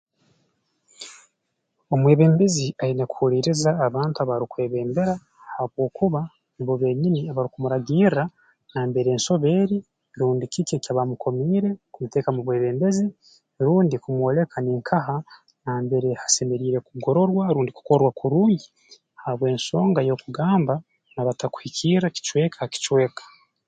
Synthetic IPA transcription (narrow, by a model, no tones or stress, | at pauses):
o̞mwe̞ːβe̞ːmbe̞ziainekuhuliːɾizaːβaːntuaβaɾikwe̞ːβe̞ːmbe̞ɾa | haβwo̞ːkuβa | mboβe̞ɲiniaβaɾikumuɾaɡiːɾa | naːmbe̞ɾeːnso̞βe̞ːɾi | ɾuːndikicocaβamukʰo̞miːɾe̞kumute̞ːkamuβwe̞ːβe̞ːmbe̞zi | ɾuːndikumwo̞le̞kaneːŋkʰaɦa | naːmbe̞ɾe̞hḁse̞me̞ɾiːɾe̞kuɡo̞ɾo̞ɾwaɾuːndiku̥koɾwakuɾuːɲɟi | haβwe̞ːnso̞ːŋɡajo̞ːkuɡaːmba | naβataku̥hicʰiɾaci̥t͡ʃwe̞ːkʰaki̥t͡ʃwe̞ːkḁ